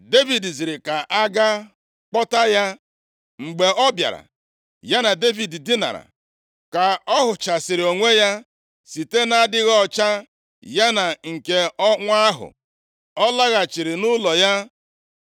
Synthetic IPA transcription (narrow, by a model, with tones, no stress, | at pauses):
de˦vi˨dzi˨ɾɪ˨ka˨ʔa˦ɡa˦ | k͡pɔ˦ta˦ja˦ | ŋ͡m̩˨ɡ͡be˨ɔ˦bja̰˨ɾa̰˨ | ja˦na˨de˦vi˨ddɪ˦na̰˨ɾa̰˨ | ka˨ɔ˦ɦʊ˨t͡ʃa˨sɪ˨ɾɪ˨o˨ŋʷe˦ja˦ | si˨te˦na˦dɪ˦ɣɔ˦˨t͡ʃa˦ | ja˦na˨ŋ̩˨ke˨ɔ˦ŋʷa˦ɦʊ̰˨ | ɔ˦la˦ɣa˨t͡ʃi˨ɾɪ˨nʊ˦lɔ˨ja˦